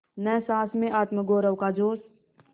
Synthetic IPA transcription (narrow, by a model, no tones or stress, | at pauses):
nɛːsãːsmẽʔaːt̪məɡoːɾəwkaːd͡ʒoːs